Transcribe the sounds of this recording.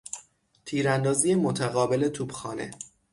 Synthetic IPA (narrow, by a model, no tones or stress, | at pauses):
t̪ʰiːɾænd̪ɒːzijemot̪ʰæɣɒːbe̞le̞t̪ʰuːbxɒːne̞̰